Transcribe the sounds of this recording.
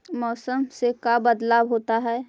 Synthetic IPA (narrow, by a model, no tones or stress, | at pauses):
mɔːsəmsekabəd̪laːbɦoːt̪aɦɛː